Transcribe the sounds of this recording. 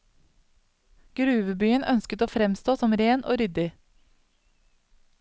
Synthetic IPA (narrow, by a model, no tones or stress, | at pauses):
ɡ̥ɾʉːʋəbyːənʔœnskət̪oːfɾɛmst̪oːsɔmɾeːnʔo̰ːɾʏd̪ɪ